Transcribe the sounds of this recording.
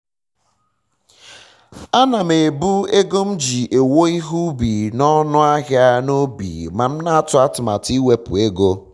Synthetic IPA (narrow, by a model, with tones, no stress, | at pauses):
a˦na˨me˨bu˦e˦ɡo˦m̩˦d͡ʒi˨ʔe˨wo˦i˦ɦu˦bi˨nɔ˦nʊ˦a˦ɣɪ˦a˦no˦bḭ˨ma˨m̩˦na˦a˦tʊ˦a˦tʊ˨ma̰˨ti˦we˦pʊ̰˨e˦ɡo˦